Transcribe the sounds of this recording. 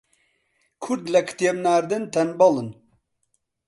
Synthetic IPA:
kʰuɾd̪lɛkʰt̪jebnaːɾd̪ɨnt̪ʰɛnbɑlɨn

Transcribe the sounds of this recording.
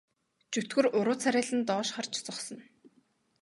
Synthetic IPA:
t͡ɕut̪ɡɘ̆rʊɾʊːt͡sʰaɾʲæːɮɘ̆nt̪ɔːʃχart͡ɕt͡sɔχsɞ̆n

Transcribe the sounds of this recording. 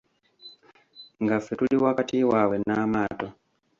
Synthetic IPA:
ŋɡafɛtuɗiwakatiwawɛnamaːtɔ

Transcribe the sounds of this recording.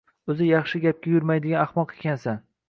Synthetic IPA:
ɵzɪjɑχʃɪɡʲap̚kʲajʊɾmajd̪ɪɡʲanɑχmɒqe̥kʲʰansan

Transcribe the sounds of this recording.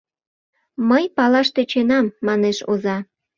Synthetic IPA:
məjpɑlɑʃt̪et͡ɕenɑmːɑneʃozɑ

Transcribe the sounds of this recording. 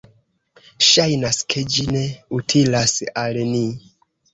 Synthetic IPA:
ʃajnaskʰe̞d͡ʒine̞utʰilasalni

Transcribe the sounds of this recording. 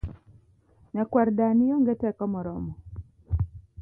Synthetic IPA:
ɲakwaɾdanijɔŋɡɛtɛkɔmɔɾɔmɔ

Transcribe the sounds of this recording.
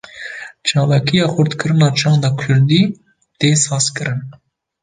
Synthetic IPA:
t͡ʃʰɑːlɑkʰijɑːxʊɾt̪kɨɾɨnɑːt͡ʃʰɑːnd̪ɑːkʰʊɾd̪iː | t̪eːsɑːskɨɾɨn

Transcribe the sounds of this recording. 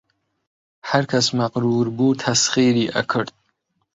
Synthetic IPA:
hɐɾkʰɐsmɐqɾuːɾbuːt̪ʰɐsχiːɾiːʔə̰kʰɨɾd̪̚

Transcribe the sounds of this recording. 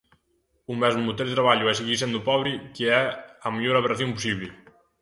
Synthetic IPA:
umɛzmumut̪eld̪et̪ɾaβaʎʊɛseɣiɾs̬end̪upɔβɾikeɛɐmiʎoɾaβeɾɐθjompusiβlɪ

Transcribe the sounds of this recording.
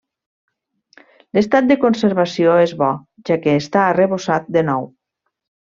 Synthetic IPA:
lest̪at̪̚d̪əkonseɾβasioezβɔ | ʒakeːst̪aːreβosat̪̚d̪enɔw

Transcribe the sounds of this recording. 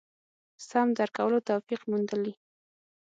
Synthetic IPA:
samd̪aɾkawəlot̪awfiqmund̪əli

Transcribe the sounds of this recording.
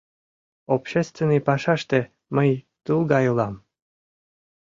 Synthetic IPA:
opɕest̪venːɨjpɑʃɑʃt̪ĕ | məj | t̪ulˠɡɑjulɑm

